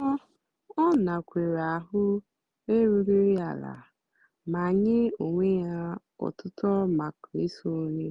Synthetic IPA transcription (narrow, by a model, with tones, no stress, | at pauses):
ɔ˦ | ɔ˦na˨kʷe˨ɾa˨ɦʊ˦ | e˦ɾu˦ɾi˦ɾi˦a˨la̰˨ | ma˨ɲɪ˦o˨ŋʷe˦ja˦ | ɔ̰˨tʊ˦tɔ˦ma˨ki˦so˦ɾi˦